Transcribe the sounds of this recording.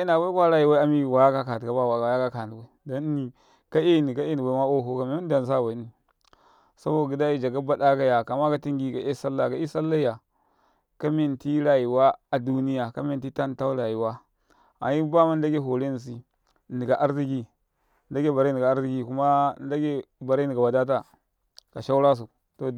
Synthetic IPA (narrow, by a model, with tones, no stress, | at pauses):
i˦na˨wʷa˦kʷa˦ɾa˨ji˨wa˦a˦mi˦˨wa˨ja˦ka˦ka˨tka˨ba˦wa˨a˨ja˦ka˦ka˨ni˨wa˨i˨do˦n˦ni˨ | ka˦e˦˨ni˨ka˦e˦ni˨ɡʷa˨˦ma˦o˦˨ɦo˦ka˨me˨˦mi˦n˦da˨n˨s̬a˦˨wa˨i˦ni˨ | sa˦bo˨ɡi˨da˦i˦d͡ʒa˨ɡa˦ba˦da˦ka˦ja˨ka˨ma˦ka˦ti˦ŋɡi˦ka˨ʔe˦sa˦lːa˨ka˨˦i˦sa˦lːa˦ja˨ | ka˦mi˨n˨ti˦ɾa˨ji˨wa˦a˨du˦ni˦ja˨ka˦me˨n˨ti˦ta˦n˦ta˦u˦ɾa˨ji˨wa˦ | a̰˨ji˦ba˦ma˦n˦da˦ɡe˦ɦo˨ɾe˦n˨s̬i˦˨ | ni˨ɡa˨ʔa˦ɾɾi˦ɡi˨ | n˦da˦ɡe˦ba˨ɾe˦n˨i˨ɡa˨a˦ɾɾi˦ɡi˨ku˦ma˦n˦da˦ɡe˦ba˨ɾa˦ni˨ɡa˨ba˨da˦t̬a˦ | ka˨ʃa˦u˦ɾa˦s̬u˨ | to˨